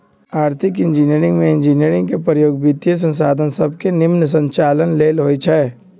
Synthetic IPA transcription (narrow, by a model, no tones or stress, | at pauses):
aːɾt̪ʰɪkɪ̃nd͡ʒiniəɾɪ̃ŋɡmẽɪ̃nd͡ʒiniəɾɪ̃ŋɡkepɾəjoːɡbit̪jəs̬ə̃nsaːd̪ʱənsəbʱkenɪmns̬ə̃ɲt͡ʃaːlənleːlɦoːit͡ʃʰɛː